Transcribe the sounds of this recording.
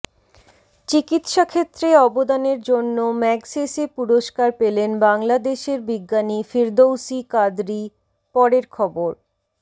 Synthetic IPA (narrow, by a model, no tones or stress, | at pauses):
t͡ɕikit̪ʃakʰet̪ːɾeɔbod̪aneɾd͡ʑonːomɛɡsesepuɾoʃkaɾpelenbaŋlad̪eʃeɾbiɡːanifiɾd̪owsikad̪ɾi | pɔɾeɾkʰɔboɾ